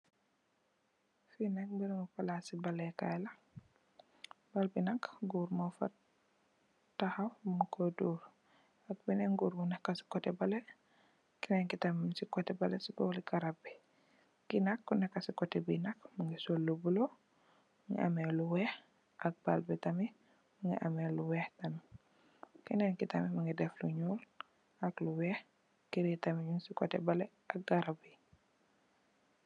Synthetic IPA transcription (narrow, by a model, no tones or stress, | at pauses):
finak̚biɾŋufalasibalɛka̰jla | balbinakɡuɾmɔfa̰ | tːahafmukʰoduɾ | ak̚binɛŋɡuːɾmunɛkːasi̥kɔtɛbalɛ | kinɛŋkitamsikɔtɛbalɛsiɡɔwlikaɾabi | kinakːunakːasikɔtɛbinakmaŋɡisolːubulo | mŋɡḭʔa̰mɛluwɛːh | ʔak̚b̥a̰lbɛtami | məŋɡɛ̰ʔa̰mɛluwɛhtɐmi | kinɛŋkitamimaŋɡidɛfluɲuːl | akluwɛh | kiɾitamiɲunsikɔtɛbɐlɛ | ʔak̚ɡaɾabi